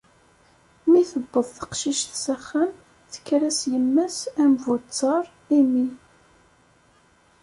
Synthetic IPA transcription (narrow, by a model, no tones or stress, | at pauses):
miθəbːəðˤθə̥qʃiʃθsæχːæm | θə̥kːɾæsjəmːæsæmvut͡sːɑɾˤ | imi